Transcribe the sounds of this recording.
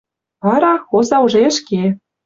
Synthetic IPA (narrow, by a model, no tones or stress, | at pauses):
ɑɾɑxozɑuʒeə̆ʃke